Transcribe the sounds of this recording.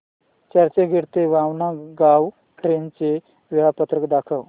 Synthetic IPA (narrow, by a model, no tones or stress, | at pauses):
t͡ɕəɾt͡ɕeɡʱeɽt̪eʋãʋnaɡaʋ | ʈɾent͡se | ʋiɭapət̪ɾəkd̪akʰəʋ